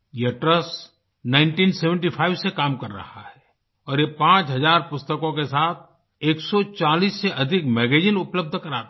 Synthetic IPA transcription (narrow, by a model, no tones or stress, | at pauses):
jeʈɾəs | nãːɪɳʈiːnseːʋə̃ɳʈifʰaːɪʋsekaːmkɐɾːɐ̰ha̰ɦɛ | ɔːɾjepãːt͡ʃɦɐzaːɾpʊst̪əkõkesaːt̪̚ʰ | eːksɔt͡ʃaːliːsːeʔɐd̪ʱɪkmɛːɡeːd͡ʒɪnʊpləb̚d̪ʱkɐɾaːt̪